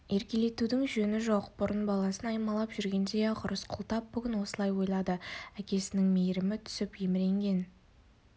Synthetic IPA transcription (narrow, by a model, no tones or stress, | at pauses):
e̞ɾkʲe̞le̞t̪ud̪ɪŋʒɵnɪʒo̞qbʊɾənbɑlˠɑsənɑjmɑlˠɑpʒʏɾɡʲe̞nd̪e̞qʰʊɾəsqʰʊ̰lˠt̪ɑp̚bʏɡʲɪnwo̞səlˠɑjwo̞jlˠɑd̪əækʲe̞sɪnɪŋme̞jɾɪmɪt̪ʰʏ̥sɪpjemɪɾe̞ŋɡʲe̞n